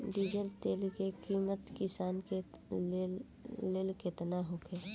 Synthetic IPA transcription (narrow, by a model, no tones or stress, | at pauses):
ɖid͡ʒəlt̪eːlkekiːmət̪kɪsaːnke | leːlket̪naɦokʰeː